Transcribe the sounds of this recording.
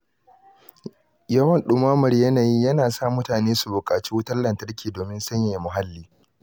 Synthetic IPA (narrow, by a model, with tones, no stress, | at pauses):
jɐ˦wɐ˦˨nɗʊ˦maː˦mʊ˨ɾjɐ˦naː˨jiː˦jɐ˦naː˨saː˦˨mʊ˦taː˨neː˦su˨bʊ˨kʼaː˨t͡ʃiː˦wʊ˦tɐ˦lɐ˨ntɐ˦rkʲʰiː˨doː˨mɪ˦nsɐ˦ɲjɐ˨jmʊ˨ɦa˦lːiː˦